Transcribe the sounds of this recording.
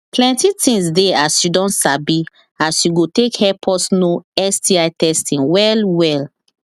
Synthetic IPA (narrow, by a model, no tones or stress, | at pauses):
plɛ̃ntitʰĩŋsdeasjudɔ̃nsabi | asjuɡotekhɛpʰɔsnoɛsdiajtɛstĩŋwɛlwɛl